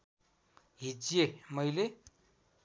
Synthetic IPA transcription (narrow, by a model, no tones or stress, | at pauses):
ɦid͡ʑjemʌjle